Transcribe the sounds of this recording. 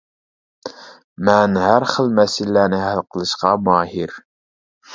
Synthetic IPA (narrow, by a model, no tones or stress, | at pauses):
mænhæɾχəlmæsilːænɪhælqəlˠɨ̆ʃqɑmɑːhiɾ